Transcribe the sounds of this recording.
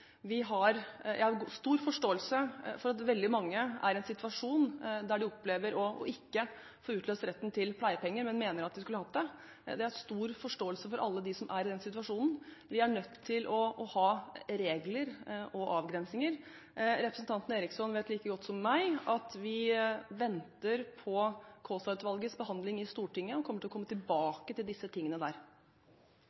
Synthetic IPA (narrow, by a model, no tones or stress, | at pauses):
ʋɪɦɑɾjæɪhɑɾɡst̪uːɾfɔʂʈoːəlsəfɔɾɑt̪ʋɛld̪ɪmɑŋːəæ̰ɾɛnsɪt̪ʋɑʂuːnd̪æɖɪɔpleːʋəɾɔɔ̰ʔɪkːə | foːɾʉːt̪løːst̪ɾɛt̪ːnt̪ʰɪlpʰlæɪəpʰɛŋːəɾmɛnmeːnəɾɑt̪̚ʋɪskʉlːəhɑt̪̚d̪ɛ | d̪ɛæɾst̪uːɾfɔʂʈoːəlsəfɔɾʔɑ̰lːəd̪ɪsɔmʔæɾɪd̪ɛnsɪt̪ʋɑʂuːnn̩ʋɪæɳœt̪ʰːɪlʔɔʔɔhɑːɾeːɡləɾʔɔʔɑːʋɡɾɛnsnɪŋəɾ | ɾɛpɾəsn̩t̪ʰɑnt̪n̩eːɾɪksɔnʋeːt̪liːkəɡɔt̪ːsɔmːæɪɑt̪ʋɪʋɛnt̪əɾpʰɔkʰoːsɑt̪ʋɑlɡəsbəhɑnd̪lɪŋɪst̪uːʈɪŋːəɔkʰɔmːəʈʰɪlɔkɔmːət̪ʰɪlbɑːkət̪ʰɪld̪ɪsːət̪ʰɪŋːənəd̪æ̰ːɾ